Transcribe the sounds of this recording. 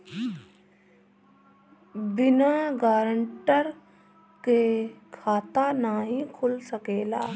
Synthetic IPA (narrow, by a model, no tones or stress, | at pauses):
bɪnaɡaːɾəɳʈəɾ | kekʰaːt̪anaɦĩkʰʊlsəkeːla̰ː